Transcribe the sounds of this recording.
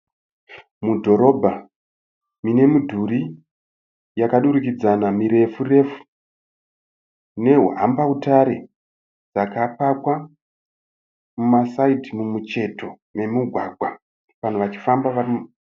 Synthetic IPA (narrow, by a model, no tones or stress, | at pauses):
mudʱo̞ɾo̞bʱa | mine̞mudʱuɾi | jakaɗuɾikid͡zanamiɾe̞fure̞fu̥ | ne̞ɦuɦa̰mbautaɾe̞ | d͡zakapakwa | mumasaitimumut͡ʃe̞to̞ | me̞muɡʱwaɡʱwa | ʋan̤oʋat͡ʃi̥fambaʋar